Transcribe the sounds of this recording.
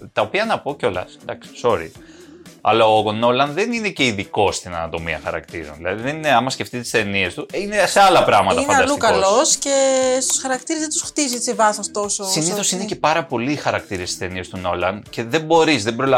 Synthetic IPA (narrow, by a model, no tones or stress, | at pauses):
t̪ɐopiɐnɐpo̞ceo̞lɐ̰sd̪ɐksi̥so̞ɾḭ | ɐ̰lɐoɣono̞lɐnðenine̞ce̞iðiko̞st̪inɐ̰nɐt̪o̞miɐ̰xɐɾɐ̰kt̪iɾo̞̰nðilɐ̰ðiðenineɐmɐsce̞ft̪it̪et̪i̥st̪enie̞st̪uineseɐlɐpɾɐɣmɐt̪ɐinɐɐlsuikɐloscest̪u̥sxɐɾɐkt̪iɾezðend̪usxt̪iziet͡ssivɐθost̪ososinniθo̞sinece̞pɐɾɐpo̞liːxɐɾɐkt̪iɾest̪i̥st̪e̞nie̞st̪uno̞lɐnce̞ðe̞mbo̞ɾizðebɾo̞lɐ